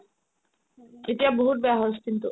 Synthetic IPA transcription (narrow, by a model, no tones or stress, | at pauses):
eʈiaboɦuʈ̪̚beaɦoskint̪u